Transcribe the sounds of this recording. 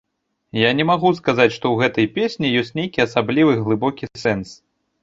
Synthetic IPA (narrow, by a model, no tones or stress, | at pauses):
janʲɛmaɣus̬kazat͡sʲʂt̪ɔwɣɛt̪ɐjpʲesʲnʲijɔsʲt͡sʲnʲejkʲiɐsablʲivɨɣlˠɨbɔkʲisɛns